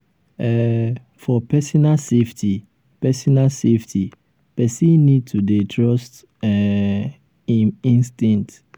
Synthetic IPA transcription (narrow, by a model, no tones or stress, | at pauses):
ɛ | fɔpɛsɔnaseftʰi | pɛsɔnaseftʰi | pɛsĩnid̚tʰudetʰɹɔst | ɛ | iĩnstĩnt